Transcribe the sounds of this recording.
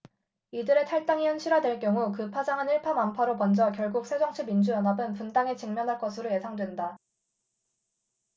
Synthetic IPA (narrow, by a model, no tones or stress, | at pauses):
idɯɾe̞tʰaɭt͈aŋiɦɯnɕʰiɾwadwe̞ɭk͈jʌŋukɯpʰad͡ʑaŋɦaniɭpʰamampʰaɾopʌnd͡ʑʌkjʌɭɡuk̚s͈ʰed͡ʑʌŋt͡ɕʰibind͡ʑujʌnɦabɯnpundaŋet͡ɕiŋmjʌnɦaɭk͈ʌsʰɯɾoje̞sʰaŋdwenda